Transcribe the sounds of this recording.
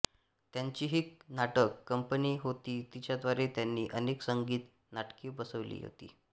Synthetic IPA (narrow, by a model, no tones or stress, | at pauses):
t̪jaɲt͡ɕiːɦiːknaʈəkːəmpəniɦot̪iːt̪it͡ɕjad̪ʋaɾet̪janːiːʔəneksəŋɡiːt̪ | naʈkiːbəsəʋlḭːɦo̰t̪ḭː